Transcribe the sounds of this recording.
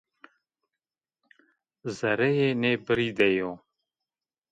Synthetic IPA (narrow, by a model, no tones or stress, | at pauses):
zɐɾɛjeːneːbɨɾiːd̪ɛjoː